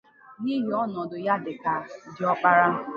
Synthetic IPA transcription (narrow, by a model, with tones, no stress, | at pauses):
ni˦ɦi˨ɔ˦nɔ˨dʊ˨ja˦dɪ˨ka˨dɪ˨ɔ˦k͡pa˦ɾa˦